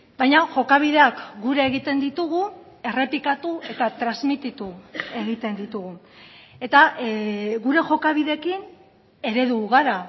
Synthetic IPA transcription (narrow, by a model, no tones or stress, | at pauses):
bajɲaʝo̞kaβið̞e̞akɡuɾeːɣ̞it̪e̞nd̪it̪uɣu | e̞re̞pikat̪ue̞t̪at̪ɾazmit̪it̪ue̞ɣit̪e̞nd̪it̪uɣu | e̞t̪a | ɣuɾe̞ʝo̞kaβiðe̞kin | e̞ɾe̞ðuɣaɾa